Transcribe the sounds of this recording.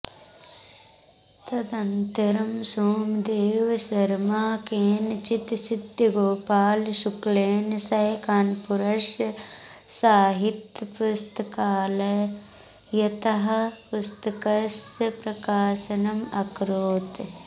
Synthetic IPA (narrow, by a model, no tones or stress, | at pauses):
t̪ɐd̪ɐnt̪ɐɾɐmsoːmd̪eːʋsɐɾmaːkeːnt͡ʃit̪sid̪jɡoːpaːlʃukleːnsɐɦkaːnpuɾɐʃ | saːɦit̪pust̪əkaːl | jɐt̪ɐɦɐpʊst̪ɐkɐspɾɐkaːsɐnɐmɐkɾoːt̪